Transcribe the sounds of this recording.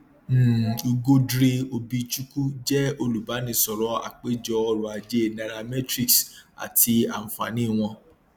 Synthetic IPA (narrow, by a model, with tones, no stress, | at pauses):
m̩˦˨i˧ɡo˦dɾe˧o˧bi˧t͡ʃu˦ku˦d͡ʒɛ˦o˧lu˨ba˨˦nĩ˧sɔ˨ɾɔ˦a̰˨k͡pe˦d͡ʒɔ˧ɔ˧ɾũ˨a˨d͡ʒe˦˨na˨ɾa˧mɛ˦tɾi˦ksa̰˨ti˧a̰˨m̩˨fa̰˨nĩ˨˦˨w̃ɔ̃˧